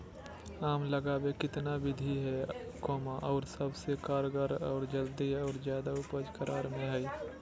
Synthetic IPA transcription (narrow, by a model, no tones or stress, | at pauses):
aːmləɡaːwekɪt̪nabɪd̪ʱiɦɛkɔːmãʔɔːɾsəbsekaːɾɡəɾɔːɾd͡ʒəld̪iɔːɾzjaːd̪aʊpəd͡ʒkəɾʔaːɾmẽɦɛi